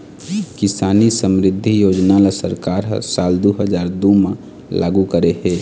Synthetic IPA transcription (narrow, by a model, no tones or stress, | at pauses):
kɪsaːnisəmɾɪd̪ʱːijoːd͡ʒnalasəɾkaːɾɦsaːld̪uɦəd͡ʒaːɾd̪umẽ | la̰ːɡukəɾeɦe